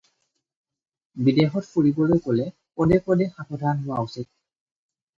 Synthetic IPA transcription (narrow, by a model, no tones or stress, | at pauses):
bidexɔtfʰuɹibɔlojkolɛ | pɔdɛkɔdɛxakʰɔdʱanɦʊaʊsit̚